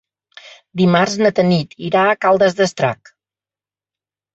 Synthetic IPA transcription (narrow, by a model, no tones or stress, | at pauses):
d̪imarznət̪ənit̪iɾaəkalˠd̪əzðəst̪ɾa̰k